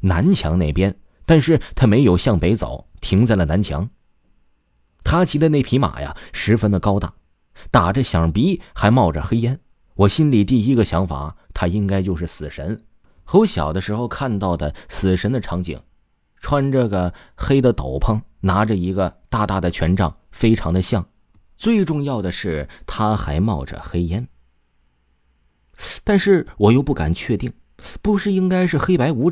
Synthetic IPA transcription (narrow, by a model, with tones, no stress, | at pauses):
na˧˥nt͡ɕʰjɑ˧˥ŋne˥˩ɪpjɛ˥n | t̪a˥˧nʂɻ̩˥˩t̪ʰa˥me˧˥ɪjo˨˩ʊɕjɑ˥˩ŋpe˧˥ɪt͡so̰˨˩˦ʊt̪ʰi˧˥ŋt͡sa˥˩lə˩na˧˥nt͡ɕʰjɑ̰˧˥ŋ | t̪ʰa˥t͡ɕʰi˧˥d̪ə˧ne˥˩ɪpʰi˧˥ma̰˨˩ja̰˧ʂɻ̩˧˥fə˥nd̪ə˨kɑ˥ʊt̪a̰˥˩ | t̪a˨˩ʈ͡ʂə˦ɕjɑ˨˩ŋpi˧˥xa˧˥ɪmɑ˥˩ʊʈ͡ʂə˩xe˥ɪjɛ˥n | wɔ˨˩ɕi˥nli˨˩t̪i˥˩i˥ɡə˨ɕjɑ˧˥ŋfa̰˨˩˦t̪ʰa˥i˥ŋka˥ɪt͡ɕjo˥˧ʊʂɻ̩˥˩sɹ̩˨˩ʂə̰˧˥n | xo˧˥ʊɕjɑ̰˨˩ʊd̪ə˦ʂɻ̩˧˥xo˧ʊkʰa˥˧nt̪ɑ˥˩ʊd̪ə˩sɹ̩˨˩ʂə˧˥nd̪ə˧ʈ͡ʂʰɑ˧˥ŋt͡ɕḭ˨˩˦ŋ | ʈ͡ʂʰwa˥nʈ͡ʂɤ˥˩ɡə˩ | xe˥ɪd̪ə˨t̪o˨˩ʊpʰɤ˥ŋna˧˥ʈ͡ʂə˧i˧˥ɡə˧t̪a˥˧t̪a˥˩d̪ə˩t͡ɕʰɥɛ˧˥nʈ͡ʂɑ̰˥˩ŋfe˥ɪʈ͡ʂʰɑ˧˥ŋd̪ə˧ɕjɑ˥˩ŋ | t͡swe˥˧ɪʈ͡ʂʊ˥˧ŋjɑ˥˩ʊd̪ə˩ʂɻ̩˥˩t̪ʰa˥xa˧˥ɪmɑ˥˩ʊʈ͡ʂə̰˩xe˥ɪjɛ˥n | t̪a˥˧nʂɻ̩˥˩wɔ˨˩jo˥˧ʊpu˥˩ka̰˨˩nt͡ɕʰɥɛ˥˧t̪i˥˩ŋ | pu˧˥ʂɻ̩˥˧i˥ŋka˥ɪʂɻ̩˥˧xe˥ɪpa˧˥ɪu˧˥